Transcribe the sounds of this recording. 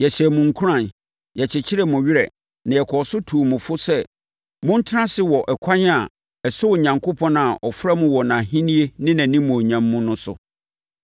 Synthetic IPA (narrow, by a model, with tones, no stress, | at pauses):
jɛ˨ɕɛ˨mʊ̃˨ŋ̩˨kʰu˦ɾã˨n | jɛ˨t͡ɕʰɪ˨t͡ɕʰɪ˦ɾɛ˦mʊ̃˨ɥɪ˦ɾɛ̰˨ | nã˨jɛ˨kʰɔ˨sʊ˦tʰu˨mʊ̃˨fʊ˦sɛ˦ | mʊ̃˦n̩˦tʰɪ˦ã˦sɪ˦wɔ˨ʔɛ˨kʷʰã˦n˦a˨ | ɛ˨sʊ˦˨ɲã˨ŋkʰo˦pʰɔ̃˦na˨ʔɔ˨fɾa˦mʊ̃˦wɔ˨nã˨ɦĩ˦nĩ˦e˦nɪ̃˦nã˨nĩ˦mʊ̃˨o˨ɲã˨mːʊ̃˦nʊ̃˦sʊ̰˨